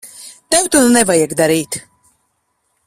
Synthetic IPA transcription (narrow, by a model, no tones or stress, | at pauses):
t̪ɛwt̪unnɛvajɛkd̪aɾiːt̪